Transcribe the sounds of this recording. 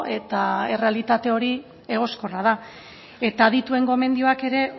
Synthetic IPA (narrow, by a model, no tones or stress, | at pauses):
e̞t̪ae̞re̞alit̪at̪e̞o̞ɾi | e̞ɣ̞o̞sko̞rað̞a | e̞t̪aðit̪ue̞ŋɡo̞me̞nd̪ioake̞ɾe̞